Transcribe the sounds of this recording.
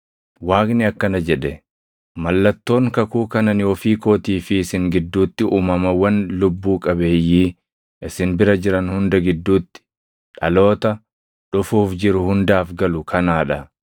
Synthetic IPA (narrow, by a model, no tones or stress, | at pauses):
waːknɪɐkːɐnɐd͡ʒɛᶑɛ | mɐlːɐt̪ːo̞ːŋkɐkuːkɐnɐnɪɔfiːko̞ːt̪iːfɪːsɪŋɡɪd̪ːuːt̪ːɪʔuːmɐmɐwɐnlʊbːuːkʼɐbe̞ːjːiː | ʔɪsɪnbɪɾɐd͡ʒɪɾɐnhʊnd̪ɐɡɪd̪ːuːt̪ːɪ̥ | ᶑɐlo̞ːt̪ɐ | ᶑʊfuːfd͡ʒɪɾʊhʊnd̪aːfɡɐlʊkʰɐnaːᶑɐ